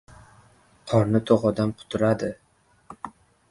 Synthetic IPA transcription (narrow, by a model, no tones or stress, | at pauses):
qʰɒɾnɪt̪ʰoqɒd̪amqʰʊ̥t̪ʰʊɾad̪ɪ